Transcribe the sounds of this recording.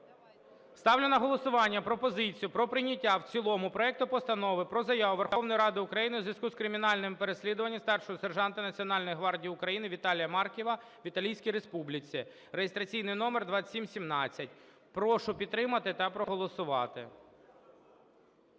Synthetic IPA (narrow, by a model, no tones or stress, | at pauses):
st̪ɑwlʲɪnɐɦɔlˠɔsʊʋɑnʲːɐpɾɔpɔzɪt͡sʲijʊpɾɔpɾɪnʲɐtʲːawt͡sʲilˠɔmʊpɾɔɛk̚t̪ʊpɔst̪ɐnɔʋɪpɾɔzɐjɑʋʊʋerxɔwnɔjɾɑd̪ɪʊkɾɐjinɪwzʋʲiskuskɾɪmʲɪnɑlʲnɪmpeɾesʲlʲid̪ʊʋɐnʲːɐst̪ɑrʃɔjɔserʒɑnt̪ɪnɐt͡sʲiɔnɑlʲnɔjɦʋɑrdʲijʊkɾɐjinɪʋʲit̪ɑlʲijɐmɑrkʲiʋɐ | ʋʲit̪ɐlʲijsʲkʲijɾespublʲɪt͡sʲi | rejest̪ɾɐt͡sʲijnɪjnɔmerd̪ʋɑsʲimsʲimnɑt͡sʲːɐt̚ʲ | pɾɔʃʊpʲid̪̚ɾɪmɐt̪ɪt̪ɐpɾɔɦɔlˠɔsʊʋɑt̪ɪ̰